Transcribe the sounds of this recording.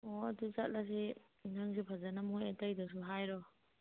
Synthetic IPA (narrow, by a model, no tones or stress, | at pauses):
ɔɐduzat̚las̬i | inaŋs̬ipʰazanamojatajdɔsuɦajɾɔ